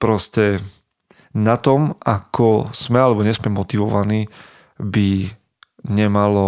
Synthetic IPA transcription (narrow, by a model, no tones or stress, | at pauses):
pɾɔscɛ | nat̪ɔmakɔz̥mɛalɛbɔɲɛzmɛmɔt̪iʋɔʋaniː | bi | ɲɛmalɔ